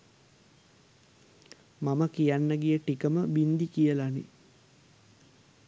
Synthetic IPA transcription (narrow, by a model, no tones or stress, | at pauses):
maməkijanːəɡijəʈikəməbind̪ikijəlanḭ